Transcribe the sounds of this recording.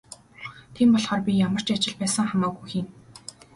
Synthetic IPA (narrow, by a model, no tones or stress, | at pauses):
t̪ʰeːmpɔɮχɔːrpʲijamə̆r̥t͡ɕat͡ɕɪ̆ɮpæːsə̆ŋχamaːɣujxiːn